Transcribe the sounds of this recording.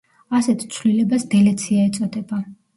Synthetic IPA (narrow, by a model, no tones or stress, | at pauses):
asɛt̪ʰt̪sʰvlilɛbasd̪ɛlɛt̪sʰiaɛt̪sʼɔd̪ɛba